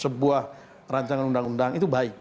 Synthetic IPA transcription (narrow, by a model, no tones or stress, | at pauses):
səbuah | raɲt͡ʃaŋanundaŋundaŋit̪ubaɪk̚